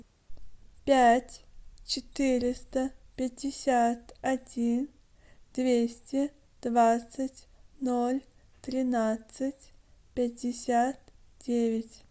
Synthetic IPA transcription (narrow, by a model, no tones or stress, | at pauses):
pʲætʲt͡ɕɪt̪ɨɾʲɪst̪əpʲɪdʲɪsʲat̪ɐdʲin | d̪̥vʲesʲtʲɪ | d̪̥vat̪sɨtʲnolʲ | t̪ɾʲɪnat̪sɨtʲpʲɪt̚ʲdʲɪsʲat̪d̥ʲevʲɪtʲ